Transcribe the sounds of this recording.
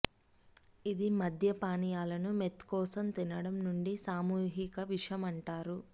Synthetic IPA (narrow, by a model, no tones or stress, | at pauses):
id̪imɐd̪ʱjɐpaːnijaːlɐnumet̪kɔːsɐmt̪inɐɽɐmnuɳɖisaːmuːɦikɐʋiʂjɐmɐɳʈaːɾu